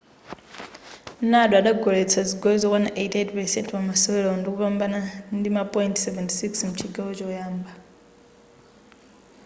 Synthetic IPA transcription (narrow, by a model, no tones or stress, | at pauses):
naɗaɗaɡʱɔɺɛt͡sʰad͡ziɡɔɛzɔkwanʔejtʰɛtpɛsɛntʰvamasɔɛɺɛɔndikupambanandimapʼɔjintsɛvɛntʰisiksm̩t͡ʃʰiɡaɔt͡ʃɔjaːmba